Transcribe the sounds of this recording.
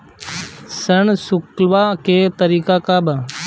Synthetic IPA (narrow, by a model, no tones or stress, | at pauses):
səɳsʊklʋaket̪əɾiːkakabə